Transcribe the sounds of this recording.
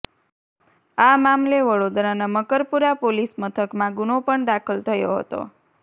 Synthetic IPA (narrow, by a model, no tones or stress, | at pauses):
amamleʋəɽod̪ɾanaməkəɾpuɾapolismət̪ʰəkmãɡunopəɳd̪akʰəlt̪ʰəjoɦə̰t̪o̰